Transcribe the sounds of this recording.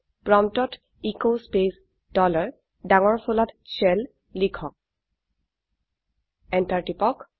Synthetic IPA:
pɹɔmtɔt | ikospes | d̥ɔlaɹ | daŋɔɹpʰulatsɛl | likʰɔk̚ | ɛntaɹtipɔk

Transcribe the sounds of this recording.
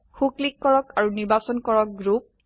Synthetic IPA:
xuklikːɔɹɔkaɹuniɹbasɔnkɔɹɔk̚ɡɹup̚

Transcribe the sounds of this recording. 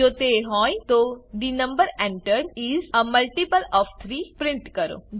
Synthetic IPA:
ot̪eɦõːjt̪oɖinə̃mbəɾẽɳʈəɾɾizəməlʈipəlɔːft̪ʰɾipɾɪ̃ɳʈkəɾo̰

